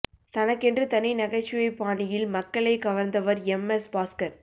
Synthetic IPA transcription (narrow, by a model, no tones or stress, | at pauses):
t̪ɐnɐkːɛndrɯt̪ɐnɪnɐɣɐt͡ʃːɪjɐɪpːaːnɪjɪlmɐkːɐɭɐɪkɐʋɐɾnd̪ɐʋɐɾɛmɛsbaːskɐɾ